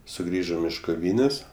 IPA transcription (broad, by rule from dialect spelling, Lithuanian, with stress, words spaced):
sʊˈɡrʲiːʒoːm ɪʃ koːˈʋʲiːnʲeːsʲ